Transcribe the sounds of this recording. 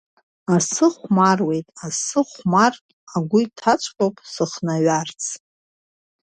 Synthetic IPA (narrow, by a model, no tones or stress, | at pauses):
asɨχʷmarwe̞jtʼasɨχʷmartʼaɡʷʊitʰat͡ʃʷʰʼkʼopʼsɨχnaɥart͡sʰ